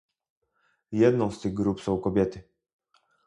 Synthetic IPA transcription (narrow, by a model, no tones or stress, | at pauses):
jɛd̪nɔ̃w̃st̪ɘɣɡɾupsɔ̃w̃kɔbʲjɛt̪ɘ